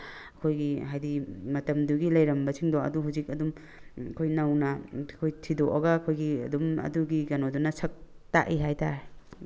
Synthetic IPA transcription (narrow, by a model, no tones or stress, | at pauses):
ɐkʰojɡiɦajdimɐtɐmduɡilɐjɾɐmbɐsʰiŋdɔɐ̰duɦhuzik̚ɐdum | kʰojnɐwnɐkʰojtʰidoʔɔɡaːkʰojɡiɐdumɐ̰duɡiɡɐnodunɐsʰɐk̚ | ta̰ʔiɦajtaɾe